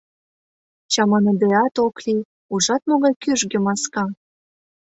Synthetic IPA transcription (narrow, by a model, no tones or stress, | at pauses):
t͡ɕɑmɑnɤd̪eɑt̪okli | uʒɑt̪̚moɣɑjkyʒɡĕmɑskɑ